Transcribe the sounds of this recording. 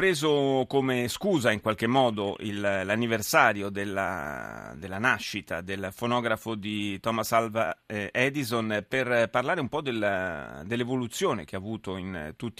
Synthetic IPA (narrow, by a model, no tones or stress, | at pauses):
pɾeːzokomeskuːzaiŋkwalkemːɔːd̪oʔḭlːanːiversaːɾjod̪elːa̰d̪elːanaʃːit̪a̰d̪elfonɔːɡɾafod̪it̪ɔmasalvaɛd̪izonperparlaːɾeumpɔd̪ːeld̪elːevolut̪sːjoːnḛk̟eavuːt̪oint̪ut̪ː